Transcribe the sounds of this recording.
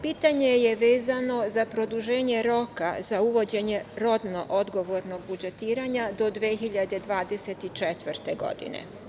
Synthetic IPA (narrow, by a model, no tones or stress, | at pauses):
piːt̪aɲejeʋeːzano̞zapɾo̞d̪uʒe̞ːɲeɾo̞kazauʋo̞d͡ʑe̞ɲe̞ɾo̞d̪no̞̰ʔod̪ɡo̞ʋoɾno̞ɡbud͡ʒet̪iːɾaɲad̪o̞d̪ʋexiʎad̪e̞d̪ʋaːd̪e̞set̪it͡ʃɛt̪ʋərt̪eɡo̞̰d̪ḭnḛ